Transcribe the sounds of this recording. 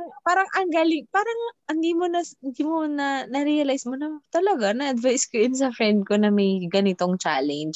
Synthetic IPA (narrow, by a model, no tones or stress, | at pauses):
ɐŋpaːɾɐŋʔɐŋɡaːlɪŋpaːɾɐŋɪnd̪iːmonɐɪnd̪iːmonɐnɐɾiɐlajsmonɐt̪ɐlɐɡanɐʔɐd̪vajskojʊnsɐfɾɛnd̪̚konɐmɐjɡɐnɪt̪oŋt͡ʃa̰ːlɛnd͡ʒ